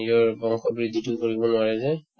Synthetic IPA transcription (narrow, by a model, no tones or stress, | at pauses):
jɔɹbɔŋxɔbɹid̪ʱːitʊkoɹibɔnʊaɹɛzɛ